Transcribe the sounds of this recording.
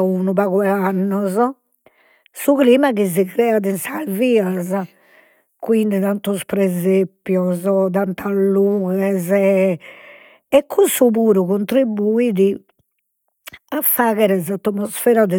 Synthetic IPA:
uːnuβaɣwɛanːɔzɔ | suɣliːmaɣiziɣɾɛːaðinsalviːaza | kwind̪iðant̪uspɾɛzepːjɔzɔd̪ant̪ʰalːuːɣɛzɛ | ɛkʰːusuβuːɾuɣont̪ɾibːuiði | afːaːɣɛɾɛzat̪ːɔmɔsfɛːɾaðɛ

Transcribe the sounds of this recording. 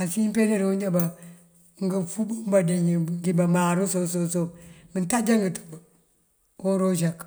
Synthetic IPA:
asimpeneɾuɲd͡ʒaba | ŋɡəfubumbadeɲiŋɡibamaɾusososomintad͡ʒaŋɡətu̥b | oɾod͡ʒak

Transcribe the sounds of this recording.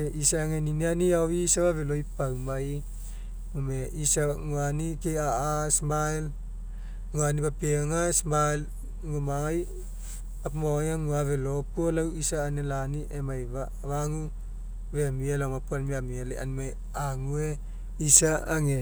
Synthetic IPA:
eʔisaːŋeninianiawisaβaβelojpawmaj | umeisaŋuanikeaasmajl | ŋuanibapeŋasmal | ŋumaŋaj | apmojaŋuaβelopolawisaːnelaniʔemajβa | βaŋu | βeamielamapualmiamiela̰a̰nma | aŋue | isaːŋe

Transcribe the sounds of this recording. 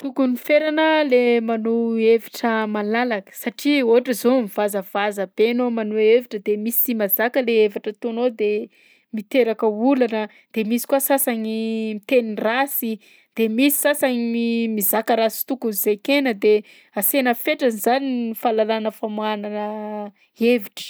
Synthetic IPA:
t̪ukunifeɾanəlemanueviʈ͡ʂəmalalakə̥saʈ͡ʂioɦaʈ͡ʂəzomivazəv̥azəb̥enomanueviʈ͡ʂəd̪emisimazakəleevaʈ͡ʂət̪onod̪e | mit̪eɾakəulanə | d̪̥emisi̥kuasasaɲimit̪enirasi | d̪̥emisi̥sasaɲimizakəɾasi̥t̪ukunizekenəd̪e | asenəfeʈ͡ʂənizaninifalalanəfamuananə | eviʈ͡ʂə̥

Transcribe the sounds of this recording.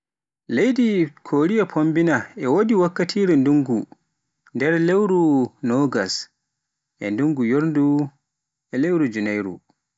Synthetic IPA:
lejdikʰoːɾijapʰombinaɛwodiwakːatʰiːɾɛnduŋɡu | ndɛɾlewɾunɔɡas | ʔɛ̰nduŋɡujoɾndu | ɛlewɾud͡ʒunajɾṵ

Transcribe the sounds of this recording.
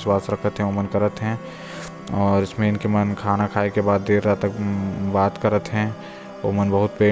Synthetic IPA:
swaːsɾɐkʰət̪ɦɛ̃omənkɐɾət̪ɦɛ̃ | ɔːɾɪsmẽɪnkemɐnkʰaːnakʰaːekebaːd̪ːeːɾat̪əkbaːt̪kɐɾət̪ɦɛ̃ | o̰mənbɐɦʊt̪̚peː

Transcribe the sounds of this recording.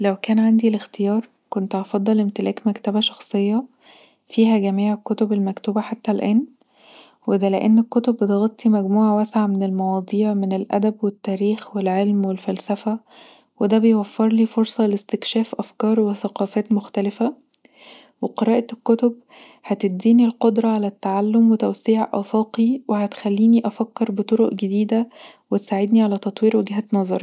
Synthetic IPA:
læwkæːnʕand̪ilext̪ejɑːɾˤ | kont̪ʔɑfɑd̪ˤːɑlʔemt̪elʔæːkmækt̪æbæʃɑxsˤejːɑ | fiːɦæɡæmiːʕekːot̪obelmækt̪uːbæħat̪ːælʔæːn | wed̪æleʔenːekːot̪obːet̪ɣɑt̪ˤːimæɡmuːʕawæsʕamenelmɑwɑːd̪ˤiːʕmenelʔæ̰d̪æbwet̪ːæːɾiːxwelʕelmwelfælsæfæ | wed̪æːbejwæfːeɾˤliːfoɾsˤɑlest̪ekʃæːfʔæfkɑːɾˤweθæqɑːfæːt̪moxt̪ælɪfæ | weqeɾˤɑːʔɑkːot̪ob | hæt̪ed̪ːiːnilqod̪ɾˤɑʕalæt̪ːaʕalːomwet̪æwsiːʕʔæ̰fɑːqiwehæt̪xælːiːniʔɑfækːeɾbet̪ˤoɾoʔɡed̪iːd̪æ | wet̪saːʕed̪niʕalæt̪ɑt̪ˤwiːɾweɡɦæːt̪nɑzˤɑɾˤ

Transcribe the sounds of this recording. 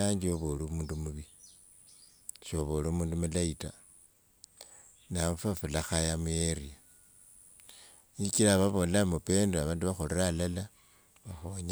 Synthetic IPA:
aɲd͡ʒioβolomuːndumuβi | ʃoβolomuːndumulaita | namufafulaxajamujeɾia | ikilaβaβo̞lamupe̞ndoaβaːnduβaxoleralala | βaxoɲ

